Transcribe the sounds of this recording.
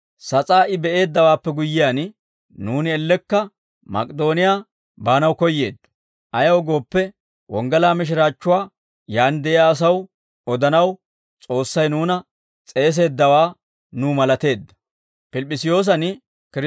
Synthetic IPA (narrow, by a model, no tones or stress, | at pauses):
sɐt͡sʼaːʔɪbɛʔe̞ːd̪ːɐwaːpːɛɡʊjːɪjaːn | nuːnɪɛlːɛkːɐ | mɐ̰kʼɪd̪o̞ːnɪjaː | baːnɐwkɔjːe̞ːd̪ːɐ̥ | ʔɐjɐwɡo̞ːpːɛ | wɔŋɡɐlaːmɪʃ̬ɪɾaːt͡ʃːʊwaː | jaːnd̪ɛʔɪjaːs̬ɐw | ɔd̪ɐnɐw | t͡sʼo̞ːsːɐjnuːnɐ | t͡sʼe̞ːs̬e̞ːd̪ːɐwaː | nuːmɐlɐt̪e̞ːd̪ːɐ̥ | pɪlpʼːɪsɪjo̞ːs̬ɐn | kɪɾ